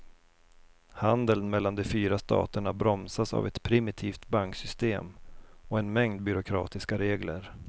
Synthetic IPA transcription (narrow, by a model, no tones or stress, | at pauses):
hand̪əlnmɛlːand̪ɛfyːɾast̪ʰɑ̰ːt̪əɳabɾɔmsasa̰vɛt̪pʰɾɪmɪt̪ʰiːft̪baŋksʏst̪ḛːmɔɛnmɛŋd̪̚bʏɾʊkʰɾɑ̰ːt̪ɪskaɾeːɡlə̰ɾ